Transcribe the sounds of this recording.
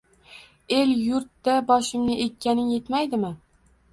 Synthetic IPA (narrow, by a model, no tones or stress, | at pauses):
eljʊɾt̪ːabɒʃɪmnɪʔekʲʰːanɪnje̞t̪majd̪ɪmɪ